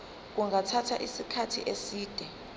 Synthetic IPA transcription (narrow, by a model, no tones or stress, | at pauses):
k̬uŋʱatʰatʰaʔisikʰatʰḭʔesiːd̥ʱɛ